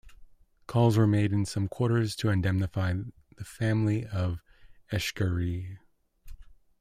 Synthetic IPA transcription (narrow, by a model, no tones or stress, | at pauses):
kʰɔlˠzwə˞meɪɾɨ̃nsʌ̃mkʰw̥ɔɹɾə˞z̥tʰɨɨ̃ndɛmnɨfaɪ | ðɨfæ̃mliʌvɛʃkə˞i